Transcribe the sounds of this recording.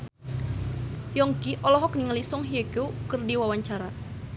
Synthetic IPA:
jɔŋɡiʔɔlɔɦɔkniŋəlisɔŋɦieɡ̥okərdiwawaɲt͡ʃaɾa

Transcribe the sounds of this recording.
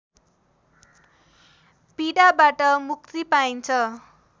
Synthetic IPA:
piɽabaʈʌmuk̚t̪ipaint͡sʰʌ

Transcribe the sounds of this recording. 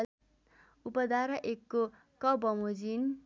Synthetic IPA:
upʌd̪aɾʌʔekːo | kʌbʌmod͡zin

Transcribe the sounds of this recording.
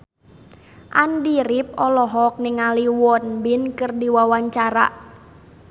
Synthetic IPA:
ʔandiɾip̚ɔlɔɦɔk̚nɪŋaliwɔnbɪnkɨrdiwawaɲt͡ʃaɾa̰ʔ

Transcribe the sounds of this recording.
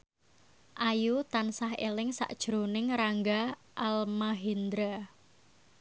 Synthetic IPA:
ʔajut̪ansaɦḛlɪŋsa̰ʔd̥ʒ̥ɾonɪŋɾaŋɡa | ʔalmaɦind̪ɾa

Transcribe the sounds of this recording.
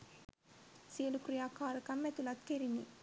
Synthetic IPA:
siɐlukɾijaːkaːɾɐkɐmːet̪ulɐt̪keɾinḭ

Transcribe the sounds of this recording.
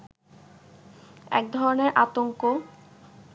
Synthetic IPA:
ɛ̰k̚d̪ʱɔɾoneɾʔat̪oŋko

